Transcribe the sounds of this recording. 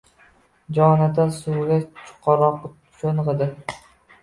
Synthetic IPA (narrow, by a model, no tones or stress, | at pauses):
d͡ʒɒnad̪asuːɡʲat͡ʃʰʊ̥qʰɒɾɒq | t͡ʃʰonʁɨd̪ɪ